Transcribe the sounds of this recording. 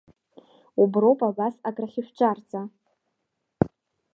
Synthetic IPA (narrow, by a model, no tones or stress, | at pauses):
ubrowpʼabasakʼraχʲɪʃʷᶣt͡ʃʼart͡sʼa